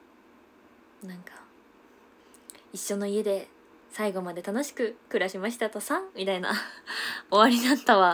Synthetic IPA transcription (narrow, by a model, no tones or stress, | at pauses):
nãŋkḁ | iɕːo̞no̞ie̞d̪e̞ | saiɡo̞mad̪e̞t̪ano̞ɕi̥kɯ̟kɯ̟ɾaɕimaɕi̥t̪at̪o̞sãmʲit̪aina̰ | oβaɾʲinãnt̪aβa